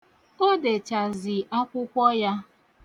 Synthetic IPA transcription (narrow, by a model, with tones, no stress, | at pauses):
o˦de˨t͡ʃa˨zɪ˨ʔa˦kʷʊ˦kʷɔ˦ja˦